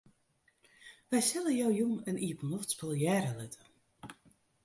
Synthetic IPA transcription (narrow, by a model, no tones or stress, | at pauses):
ʋɛjsɪləjowjuməniəpənɔftspɪlˠjɛːɾəlɪtʰə